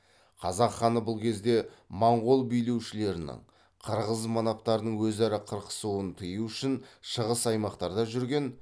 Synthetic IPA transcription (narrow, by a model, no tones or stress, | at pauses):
qʰɑzɑqχɑnəbʊlˠkʲʰe̞zd̪e̞mɑɴʁolˠbijle̞wʃɪle̞ɾɪnɪ̰ɴ | qʰəɾʁəzmɑnɑp̚t̪ɑɾd̪əɴwɵzæɾɪqʰəɾqə̥suwənt̪ʰəjuʏʃɪnʃəʁəsɑjmɑqt̪ɑɾd̪ɑʒʏɾɡʲe̞n